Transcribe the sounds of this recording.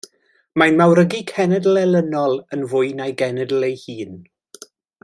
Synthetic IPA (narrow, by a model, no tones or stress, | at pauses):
majnmawɾəɡikʰɛnɛdəl̩ˠɛlˠənɔlˠənvʊɨnajɡɛnɛdl̩ˠejhiːn